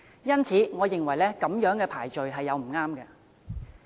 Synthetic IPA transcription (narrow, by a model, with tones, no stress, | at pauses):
jɐ˥nt͡sʰiː˨˥ŋɔː˨˧jɪ˨ŋwɐ˨˩jlɛː˥kɐ˨˥mjœː˨˥ŋkɛː˧pʰaː˨˩jt͡ʃɵ˨ɥɦɐ˨jːɐ˨˧wm̩˨˩ŋaː˥mkɐ˧